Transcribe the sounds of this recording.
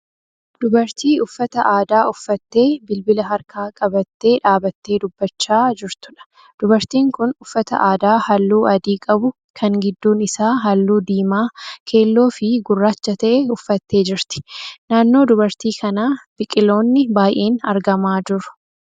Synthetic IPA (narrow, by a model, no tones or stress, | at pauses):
d̪̥ʊbɐɾt̪iːʊfːɐt̪ɐʔaːd̪aːʊfːɐt̪ːe̞ːbɪlbɪlɐɦɐɾkaːkʼɐbɐt̪ːe̞ːᶑaːbɐt̪ːe̞ːd̪ʊbːɐt͡ʃːaːd͡ʒɪɾt̪ʊ̥ᶑɐ̥ | d̪̥ʊbɐɾt̪iːŋkʊnʊfːɐt̪ɐ̰ʔaːd̪aːhɐlːuːɐd̪iːkʼɐbʊ | kʰɐŋɡɪd̪ːuːnɪsaːɦɐlːuːd̪iːmaːkʰe̞ːlːo̞ːfɪɡʊrːaːt͡ʃːɐt̪ɐʔɛʊfːɐt̪ːe̞ːd͡ʒɪɾt̪ɪ̥naːnːo̞ːd̪ʊbɐɾt̪iːkʰɐnaːb̥ɪkʼɪlo̞ːnːɪbaːjʔe̞ːnɐɾɡɐmaːd͡ʒʊɾʊ̥